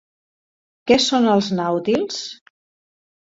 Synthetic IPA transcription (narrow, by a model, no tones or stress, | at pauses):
kɛsonəlˠznawt̪ilˠs